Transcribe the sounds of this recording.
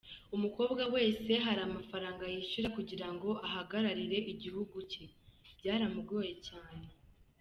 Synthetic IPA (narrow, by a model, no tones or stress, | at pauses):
umuko̞ːbɡawe̞ːse̞ɦaɾamafaɾaːŋɡajiʃuɾakuɟiɾaŋɡo̞ʔaɦaɡaɾaɾiɾe̞ʔiɟihuɡucebɟaːɾamubɡo̞ːjecaːne̞